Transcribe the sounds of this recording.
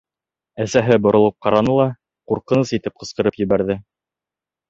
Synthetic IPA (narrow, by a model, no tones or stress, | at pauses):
æsæɦɘbŏɾŏlˠɤp̚qɑɾɑnɤlˠɑ | quɾqɤ̆nɤsit̪ɘp̚qɤ̆sqɤ̆ɾɤpjɵ̆βæɾðɘ